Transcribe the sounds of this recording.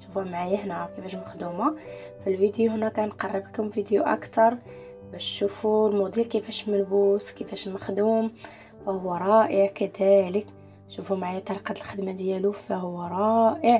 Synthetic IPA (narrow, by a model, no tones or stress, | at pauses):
ʃufæmaʕjəhnækəfæʃməxd̪uma | filvid̪juhənːækænqɑrˤːəbəkhʊmfid̪juʔæ̰kt̪ɑɾˤ | bæʃʃufulmud̪ilkəfæʃmælbuskəfæʃməxd̪um | fæhʊwːæɾˤɑʔəʕkæd̪ælək | ʃufumaʕajæt̪ɑɾˤqɑd̪əlxəd̪mad̪jælufæhʊwːæɾˤɑʔəʕ